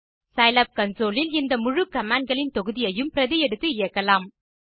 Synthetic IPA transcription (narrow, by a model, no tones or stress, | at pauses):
sɐɪlɐp̚kɐnsoːlɪlɪnd̪ɐmʊɻɯkːɐmaːɳɖ̚ɡɐɭɪnt̪ɔɣɯðɪjɐjɯmpɪɾɐðɪjɛɽɯt̪ːɯɪjɐkːɐlaːm